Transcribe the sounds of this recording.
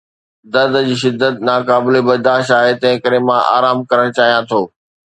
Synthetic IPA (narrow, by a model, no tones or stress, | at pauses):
d̪ɐɾd̪d͡ʑiːʃ̬ɪd̪ːət̪naːkaːblebɐɾd̪aːʃt̪aːɦet̪ɐ̃ɦɪ̃kəɾemãʔa̰ːɾaːmkɐɾəɽ̃t͡ɕaːɦijãt̪ʰoː